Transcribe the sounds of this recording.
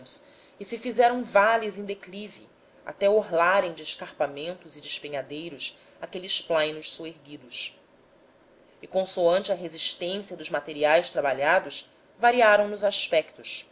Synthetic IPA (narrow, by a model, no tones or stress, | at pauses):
s | ɪsɪfizɛɾɐ̃w̃valizẽd̪eklivḭ | a̰t̪ɛoɦlaɾẽj̃d͡ʒɪːʃkaχpamẽnt̪ʊzɪd͡ʒɪʃpeɲad̪ejɾʊs | akelɪsplãjnʊʃsoeɾɡid̪ʊs | ɪkõsoɐ̃nt͡ʃɪɐɦeziʃt̪ẽsijɐd̪ʊzmat̪eɾiajst̪ɾabaʎad̪ʊʃ | vaɾiaɾɐ̃w̃nʊzaʃpɛkt̪ʊʃ